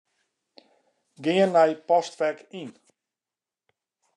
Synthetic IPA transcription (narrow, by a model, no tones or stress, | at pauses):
ɡɪənːɛjpɔstʋɛrkin